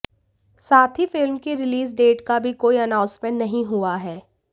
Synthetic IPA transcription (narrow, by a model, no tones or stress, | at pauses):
saːt̪ʰifɪlmkiɾɪliːs̬ɖeːʈkabʱikoːiɐnãːʊ̃nsmə̃ɳʈnɐɦĩɦuaɦɛː